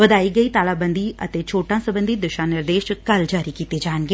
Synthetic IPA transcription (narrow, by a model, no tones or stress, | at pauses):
ʋəd̪aːiːɡəiːt̪aːlaːbə̃nd̪iːə̰t̪eːt͡ʃʰoːʈãːsəbə̃nd̪iːd̪ʊʃãːnɪɾd̪eːʃkəld͡ʒaːɾiːkiːt̪ed͡ʒaːənɡeː